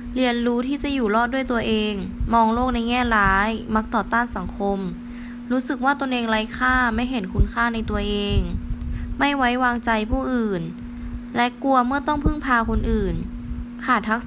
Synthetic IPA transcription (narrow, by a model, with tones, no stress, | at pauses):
li˧ənɾuː˦˥t̪ʰiː˥˩t͡ɕa˧˩juː˨˩lɔː˥˩t̪̚du˥˩əjt̪u˧ɐʔeː˧ŋmɔː˧ŋloː˥˩k̚na˧jŋɛː˥˩laː˦˥jma˦˥k̚t̪ɔː˨˩t̪aː˥˩nsa˨˩˦ŋkʰo˧m | ɾuː˦˥sɯ˨˩k̚waː˥˩t̪o˧nʔeː˧ŋla˦˥jkʰaː˥˩ma˥˩jɦe˩˦nkʰu˧nkʰaː˥˩na˧jt̪u˧ɐʔeː˧ŋma˥˩jwa˦˥jwaː˧ŋt͡ɕa˧jpʰuː˥˩ʔɯː˨˩n | lɛ˦˥ku˧ɐmɯ˥˩ɐt̪ɔ˥˩ŋpʰɯ˥˩ŋpʰaː˧kʰo˧nʔɯː˨˩nkʰaː˨˩t̪ʰa˦˥k̚